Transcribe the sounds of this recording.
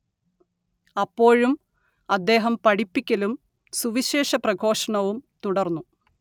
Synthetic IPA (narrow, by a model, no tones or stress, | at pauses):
ɐpːo̞ːɻum | ɐd̪ːe̞ːɦɐmpɐɽipːikʲːɐlum | suʋiɕe̞ːʂɐprɐɡʱo̞ːʂɐɳɐʋumt̪uɽɐrnːu